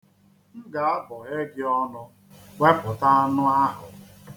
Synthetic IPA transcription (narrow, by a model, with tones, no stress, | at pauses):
n̩˦ɡa˨a˦bɔ˨ɦe˦ɡɪ˦ɔ˦nʊ˦ | we˦pʊ˨ta˦nʊ˦a˦ɦʊ˨